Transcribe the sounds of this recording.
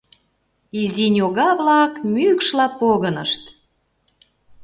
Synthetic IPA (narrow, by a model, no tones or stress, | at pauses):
izinʲoɣɑβlɑkmykʃlɑpoɣənəʃt̪